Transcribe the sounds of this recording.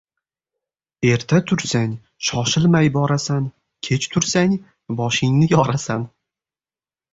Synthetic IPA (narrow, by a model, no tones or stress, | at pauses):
e̞ɾt̪ʰat̪ʰʊɾsaŋ | ʃɒʃɪlmajbɒɾasan | kʲʰe̞t͡ʃt̪ʰʊɾsaŋ | bɒʃɪŋnɪjɒɾasan